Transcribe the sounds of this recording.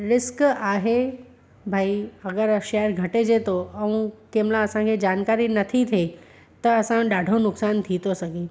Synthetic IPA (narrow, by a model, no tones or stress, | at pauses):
ɾɪskaɦe | bʱaːiɐɡəɾʃejəɾɡʱɐʈed͡ʑet̪oɐũkemlãɐsãkʰed͡ʑaːnkaɾinɐt̪ʰit̪ʰe | t̪ɐːsãɖaːɖʱonʊksaːnt̪ʰit̪osɐɡeː